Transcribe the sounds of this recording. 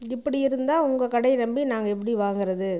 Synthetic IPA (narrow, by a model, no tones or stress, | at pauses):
ɪpːɐɽiɪɾɯnd̪aːʊŋɡɐkɐɽɐɪnɐmbinaːŋɡɐɛp̬ːɐɽiʋaːŋɡɪɾɐðɯ